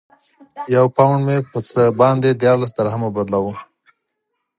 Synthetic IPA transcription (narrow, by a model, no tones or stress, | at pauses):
jawpawɳɖmepət͡səbɑnd̪ed̪jɑɾlas̬d̪aɾaɦamabad̪lawu